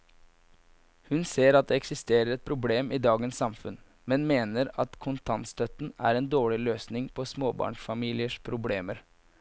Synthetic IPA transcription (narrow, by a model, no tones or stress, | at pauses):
hʉnseːɾɑt̪̚d̪ɛɛksɪst̪eːɾəɾɛt̪̚pʰɾʊbleːmiːd̪ɑːɡənsːɑmfʉn | mɛnmeːnəɾɑt̪kʰʊnt̪ʰɑnst̪œt̪n̩æ̰ːɾɛnd̪oːɭɪløːsnɪŋpʰɔsmoːbɑ̰ːɳʂfɑmiːlɪəʂpʰɾʊbleːməɾ